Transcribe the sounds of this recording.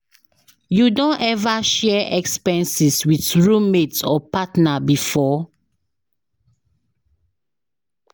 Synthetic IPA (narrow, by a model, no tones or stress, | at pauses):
judõnɛvaʃɛʔɛkspɛ̃nsiswiθɹumetɔpatnabifɔ